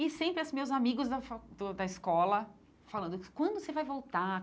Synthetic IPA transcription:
ɪsẽpɾɪɛsmewzamiɡʊzd̪ɐfd̪ʊd̪ɐɪskɔlɐ | falɐ̃nd̪ʊ̥kwɐ̃nd̪ʊsevajvowt̪a

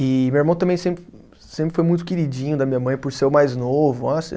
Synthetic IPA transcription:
ɪmeweɾmɐ̃w̃t̪ɐ̃mẽj̃sẽpɾɪ | sẽpɾɪfojmũj̃t̪ʊkeɾid͡ʒĩɲʊd̪ɐmĩɲɐmɐ̃j̃pʊɾseʊmajznovʊasḛ

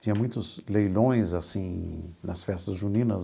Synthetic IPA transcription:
t͡ʃĩɐmũj̃t̪ʊzlejlõj̃zasĩnɐsfɛst̪ɐzʒunĩnɐz

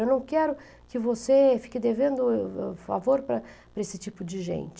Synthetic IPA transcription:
ewnɐ̃w̃kɛɾʊ | kɪvosefi̥kɪd̪evẽnd̪ʊɛfa̰voɾpɾɐpɾɐesɪt͡ʃipʊd͡ʒɪʒḛ̃nt͡ʃɪ

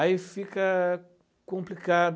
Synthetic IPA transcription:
aifikɐ | kõmplikad̪

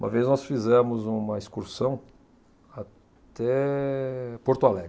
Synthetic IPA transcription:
ũmɐ̰veznɔsfizɛmʊzũmɐiskuɾsɐ̃w̃ | a | t̪ɛ | poɾt̪ualɛɡ

